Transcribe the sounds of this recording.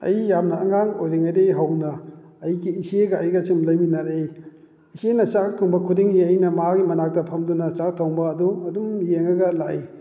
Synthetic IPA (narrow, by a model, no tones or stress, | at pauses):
ɐ̰jjap̚nɐːŋaŋojɾiŋajdejɦawnɐː | jɡiːseɡɐːjɡɐsimlɐjminaɾej | isenɐt͡ʃakk̚tʰoŋbɐkʰudiŋiɐjnɐmaɡimɐnak̚dɐpʰɐmdunɐt͡ʃak̚tʰoŋbɐːduɐdumjeŋɐɡɐlai